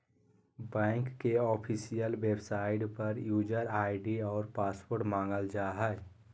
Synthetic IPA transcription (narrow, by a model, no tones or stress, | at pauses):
bɛ̃ːŋkːeɔːpʰisijəlwebsaːɪʈpəɾjuːd͡ʒəɾaːɪɖiɔːɾpaːspoɾʈmãːŋɡəld͡ʒaːɦɛ